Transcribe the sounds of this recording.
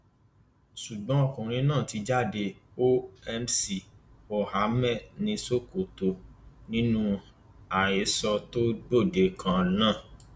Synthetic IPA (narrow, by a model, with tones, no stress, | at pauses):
ʃu˨ɡ͡bɔ̃˨˦ɔ˦˨kũ˨ɾ̃ĩ˧˦nãː˦˨ti˧d͡ʒa˦˨de˧o˦ɛ˧msi˧˨o˨ha˨˦mɛ˦˨nĩ˧so˦˨ko˨to˨nĩ˦nũ˦ | a˨e˨˦sɔ˧to˦ɡ͡bo˦˨de˨˦kʰã˧nãː˦˨